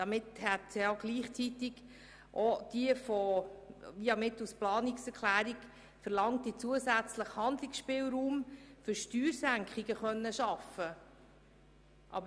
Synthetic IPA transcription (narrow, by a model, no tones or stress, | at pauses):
d̥ɑmɪthɛtsɑɡliːχt͡sit̪ɪɡ | ʔod̥iəfɔ | ʋiɑmɪtusplɑːniksɛɾkʰlæːɾiɡ | fərlɑŋtːit͡suəsæt͡sləχhɑnd̪lɪksʃpɪːlɾuːmfʏɾʃtyːɾsæŋkχɪɡ̥əχœnːəʃɑfə | ʔɑ̰bə